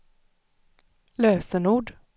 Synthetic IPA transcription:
løːsənuːɖ

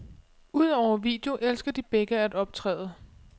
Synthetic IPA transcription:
uð̞̰ˠɒʊɐʋḭːd̥e̝o̝ʔelsɡ̥ɐd̥ib̥eɡ̥əæd̥ɒ̽b̥̚t͡sʰʁɛ̰ːðˠə

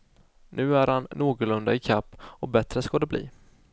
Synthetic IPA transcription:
nʔʉ̟ːæɾhanːoːɡʊlɵnd̪aɪkʰapːɔbɛt̪ɾəskɑːd̪ɛblḭː

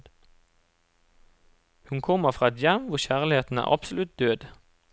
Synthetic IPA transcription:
hʉnkʰɔməfʁɑːɛt̪jæmʋʊʁçæːʁlɪheːt̪n̩æ̰ːʁʔɑpsʊlʉt̪̚d̪øːd̪

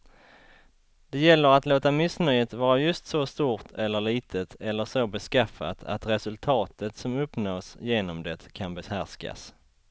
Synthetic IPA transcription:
d̪̥ɛjɛlːəɾat̪loːt̪amɪsnœjət̪vɑːɾajɵst̪sɔst̪uːɾt̪ʰɛlːəɭiːt̪ʰət̪ʰɛlːəʂobɛskɾafːa̰t̪ʰa̰t̪ɾɛsɵlt̪ʰɑːt̪ʰət̪sɔmɵpːnoːsjeːnɔmd̪ɛt̪kʰanbɛshæʂka̰s

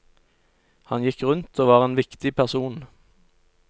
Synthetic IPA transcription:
hɑnjɪkʁʉnt̪ʰoːʋɑːʁeːnʋɪkt̪ɪpʰæʁsuːn

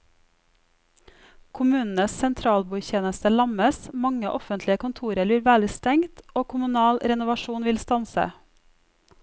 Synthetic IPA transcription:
kʰʊmʉːnn̩əssɛnt̪ʰɾɑːlbuːçeːnəst̪əlɑməsmɑŋə̰ʔɔfənt̪ʰlɪəkʰʊnt̪ʰuːɾəliːɾʋæːlɪst̪ɛŋt̪oːkʰʊmʉnɑːlɾɛnʊʋɑʃuːnʋɪlst̪ɑnsə̰

